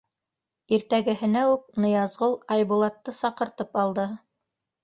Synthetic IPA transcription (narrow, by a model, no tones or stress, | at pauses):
iɾt̪æɡɘ̆ɦɘ̆næʉk̚nɤ̆jɑzʁolˠɑjbulˠɑt̪ːɤsɑqɤ̆ɾt̪ɤpɑlˠd̪ɤ